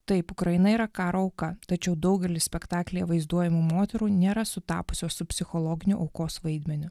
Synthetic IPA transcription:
t̪ɐɪpʊkɾɐjɪnɐiːɾɐkɑːɾoːɐʊkɐt̪ɐt͡ʃʲɛʊd̪ɐʊɡʲɛlʲɪsʲpʲɛkt̪ɑːklʲɛjɛʋɐɪzd̪uɔjɛmumoːt̪ʲɛɾuːnʲeːɾɐsʊt̪ɑ̰ːpʊ̥sʲoːsʊpʲsʲɪxɔlˠɔːɡʲɪnʲʊ̰ʔɒʊkoːsʋɐɪd̪ʲmʲɛnʲʊ

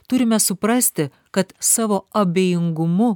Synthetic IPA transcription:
t̪ʊɾʲɪmʲɛsʊpɾɐsʲt̪ʲɪ | kɐt̪sɑːʋoːɐbʲeːjɪŋɡʊmʊ

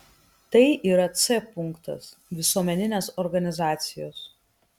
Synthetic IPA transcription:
t̪ɐɪʔiːɾɐt̪sɛpʊŋˑkt̪ɐ̰s | ʋʲɪsuɔmʲɛnʲɪnʲeːsɔɾɡɐnʲɪzɑːt̪sʲɪjo̰ːs

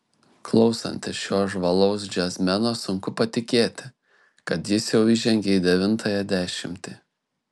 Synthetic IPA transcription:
klˠɒʊsɐ̰nʲt̪ʲɪsʃʲoːʒʋɐlˠɒʊs̬d͡ʒʲɛsʲmʲɛnoːsʊŋkʊpɐt̪ʲɪkʲeːt̪ʲɪ | kɐt̪jɪsjɛʊɪʒʲɛŋʲɡʲeid̪ʲɛʋʲɪnt̪ʰɐjɛd̪ʲæːʃʲɪmʲt̪ʲi

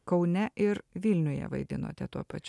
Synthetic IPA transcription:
kɒʊnʲɛʔɪɾʋʲɪlʲnʲʊjɛ̰ʋɐ̰ɪd̪ʲɪno̰ːt̪ʲɛt̪uɔpɐt͡ʃʲ

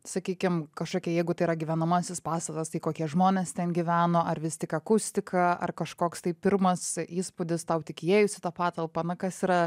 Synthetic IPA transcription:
sɐkʲiːkʲɪmkɐʃkoːkʲɛjɛɪɡʊt̪ɐɪiɾɐɡʲiːʋʲɛnɐmɑsʲɪspɑːst̪ɐt̪ɐst̪ɐɪkoːkʲiɛʒmoːnʲeːst̪ʲɛnɡʲɪʋʲæːnoːʔɐrʋʲɪsʲt̪ʲɪkɐkʊsʲt̪ʲɪkʰɐɐ̰rkɐʃkoːkst̪ɐɪpʲɪɾmɐsiːspʊd̪ʲɪst̪ɐʊt̪ʲɪkʲɪjeːjʊsʲɪt̪ɐpɑːt̪ɐlˠpɐnɐkɐsiɾɐ

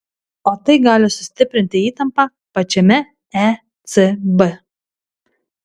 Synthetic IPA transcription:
oːt̪ɐɪɡɑːlʲɪsʊ̥sʲt̪ʲɪpʲɾʲɪnʲt̪ʲɪiːt̪ɐmpɑ | pɐt͡ʃʲɛmʲɛ | ɛ | t̪sɨbɨ

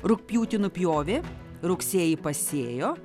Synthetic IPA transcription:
ɾʊkpʲjuːt̪ʲɪnʊpʲjoːʋʲe | ɾʊksʲeːjɪpɐsʲeːjoː

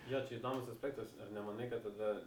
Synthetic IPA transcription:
joːt͡ʃʲɛid̪oːmʊsɐsʲpʲæːk̚t̪ɐsɐrnʲɛmɐnɐɪkɐt̪̚t̪ɐd̪ɐ

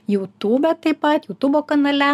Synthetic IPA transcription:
juːt̪uːbʲɛt̪ɐɪpɐt̪juːt̪uboːkɐnɐlʲɛ

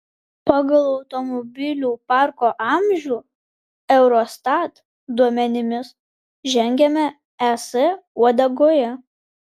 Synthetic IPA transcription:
pɑɡɐlˠɒʊt̪ɔmɔbʲɪlʲuːpɑˑɾkoːʔɑˑmʲʒʲuː | ɛʊɾɔst̪ɑt̪ | d̪uɔmʲɛnʲɪmʲɪs | ʒʲɛŋʲɡʲɛmʲɛ | ɛsɛuɔd̪ɐɡoːjɛ

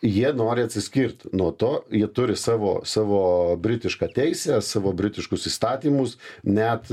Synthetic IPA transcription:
jiɛnoːɾʲɪɐt̪ʲsʲɪsʲkʲiːɾt̪nuɔt̪oːjiɛt̪ʊɾʲɪsɑːʋo̰ːsɑːʋoːbʲɾʲɪt̪ʲɪʃkɑt̪ʲɛɪsʲæsɑːʋoːbʲɾʲɪt̪ʲɪʃkʊsiːst̪ɑːt̪ʲiːmʊsnʲɛt̪

